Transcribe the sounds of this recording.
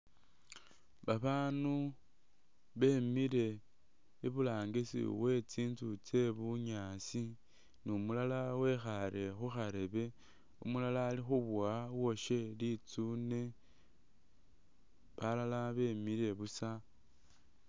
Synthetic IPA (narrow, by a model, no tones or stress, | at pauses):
βaβaːnu | βe̞miɾe̞ː | βulaːŋɡisḭwe̞t͡siːnt͡sut͡se̞βuɲaːsi | nimulalawe̞xaɾe̞xuxaɾe̞βe̞ | ṵmulalaːlixuβwawo̞ʃe̞lit͡sune̞ | βalalaβe̞miɾe̞βusa